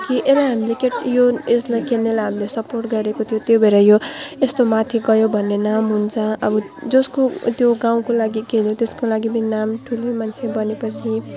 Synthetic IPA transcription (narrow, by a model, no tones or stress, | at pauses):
kiʔelaɦamilekeʈjoeslakenːelaɦamilesʌporʈɡʌɾekot̪ʰijot̪jobʱeɾajoest̪omat̪ʰiɡʌjobʱʌnːenamɦunt͡sʰʌ̃ʌbʌ | d͡zʌskot̪joɡaw̃kolaɡikeljõt̪eskolaɡibʌninamʈʰulomant͡sʰebʌnepʌt͡sʰi